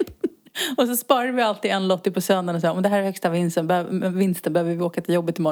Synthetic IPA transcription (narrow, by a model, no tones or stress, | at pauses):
ɔsɔspɑːɾad̪əvɪalt̪iːd̪ɛnlɔt̪ːɪɡ̚pʰɔsœnd̪aɳɔs̬ɑːɾɔmnd̪ɛɦæːɾɛɾhœkst̪avɪnst̪ənbɛhøvɪnst̪ənbɛhøːvəɪvɪoːkat̪ʰɪljɔbːət̪ʰːɪlmɔ